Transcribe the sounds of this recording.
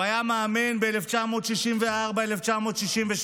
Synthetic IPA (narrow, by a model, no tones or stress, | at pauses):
ajamaːmenbeeleft͡ʃamo̞ːt̪ʃiʃimveaʁbaeleft͡ʃamo̞ːt̪ʃiʃimveʃ